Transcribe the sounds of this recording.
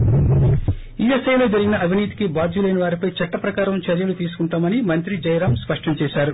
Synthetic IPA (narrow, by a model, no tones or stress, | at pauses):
iːesɐjlo̞ːd͡ʒɐɾiɡʲinɐɐʋʱiniːt̪ikibaːd͡ʒ̪ulɐjnɐʋaːɾipɐjt͡ʃɐʈːɐpɾɐkaːɾɐmt͡ʃɐɾjɐlut̪iːsu̥kuɳʈaːmɐnimɐnt̪ɾid͡ʒɐjɾaːmspɐʂʈɐmt͡ʃɛːʃaːɾu